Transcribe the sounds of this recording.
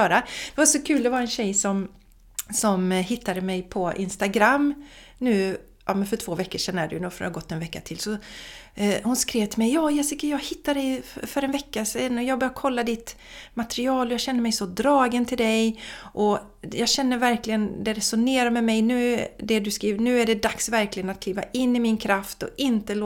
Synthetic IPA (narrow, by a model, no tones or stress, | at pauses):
œːɾad̪̥ɛvaʂɔkʰʉ̟ːld̪ɛvaɾɛnɕɛjsɔm | sɔmhɪt̪ʰːad̪əmɛjpʰɔɪ̰nst̪aɡɾamːnʉ̟ː | ʔɑ̰ːmɛnfœʈʰv̥oːvɛkːəʂɛnːad̪ɵ̰nuːfaɡɔt̪ːɛnvɛkːat̪ʰɪlsɔ | hʊnskɾeːvt̪ʰɪlmɛjːɑːjɛsɪkːajɑːɡhɪt̪ːad̪ɛjfœɾɛnvɛkːasɛnːɔjɑːɡbœɾjakʰɔlːad̪ɪt̪ | mat̪ɾɪɑːlɔjɑɡɕɛnːəɾmɛjsɔd̪ɾɑːɡənt̪ʰɪld̪ɛjʔɔ | jɑːɡɕɛnːəɾvæɾklɪɡənd̪ɛɾɛsʊneːɾamɛmɛjnʉ̟ːd̪ɛd̪ɵskɾiːvnʉ̟ːæɖɛd̪aksvæɾklɪɡənat̪kʰliːva̰ʔɪnːɪmɪnkʰɾaft̪ɔ̰ɪnt̪əl